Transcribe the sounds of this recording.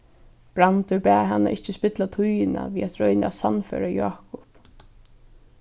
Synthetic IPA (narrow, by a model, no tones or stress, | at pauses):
b̥ɾant̪ʏpɛːɦanːa̰ʔɪht͡ʃːɪspɪt̪lat̪ʰujɪna̰viːat̪ɾɔʏnɪasanfœːɾaja̰ːkʊp